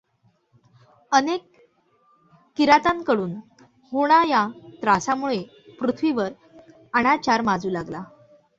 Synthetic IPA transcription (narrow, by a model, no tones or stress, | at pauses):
ənek | iɾat̪aŋkəɽuːn | hoɽ̃ajat̪ɾasamuɭe | pɾut̪ʰʋiʋəɾ | əɽ̃at͡ɕaɾmad͡zuːlaɡla